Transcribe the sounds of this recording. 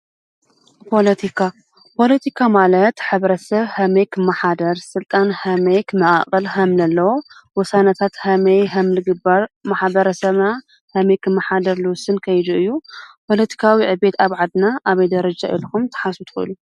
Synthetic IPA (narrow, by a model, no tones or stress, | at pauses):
pʰo̞lɐt̪ʰikʰa | pʰo̞lɐt̪ʰikʰamalɐt̪ħɨβɾɐsɐβhɐmejkʰɨmːɐħad̪ɐɾsɨlt̪ʼanhɐmɐjkʰɨmːɐʔʼa̰χʼɐlhɐmlɐlːɐwowɔsanɐt̪ʰat̪hɐmɐjɦɐmlɨɡɨbaɾmaħbɐɾɐsɐβna | hɐmɐjkʰɨmːɐħad̪ɐɾluwʊsɨnkʰɐjd̪uʔɨjːupʰo̞lɐt̪ʰi̥kʰawiʕɨbe̞t̪aβʕad̪naʔaβɐjd̪ɐɾɐd͡ʒaʔḭlkumt̪ʰɐ̥ħasut̪ʰxɨʔɨ̰lu